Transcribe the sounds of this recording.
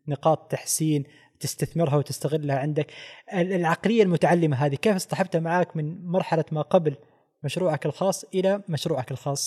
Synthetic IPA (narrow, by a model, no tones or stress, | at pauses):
nɪqɑːt̪ˤt̪ːaħsiːn | t̪ɪst̪aθmɪɾɦawt̪ɪst̪aɣɪlːahaʕɪnd̪akɪlʕɑqlɪjːalmʊt̪aʕalːɪmaɦaːðikeːfɪst̪ɑħɑb̚t̪hamaʕaːkmɪnmɑɾˤħalamaqɑbl | maʃɾuːʕakɪlxɑːsˤːʔɪlamaʃɾuːʕakɪlxɑːsˤ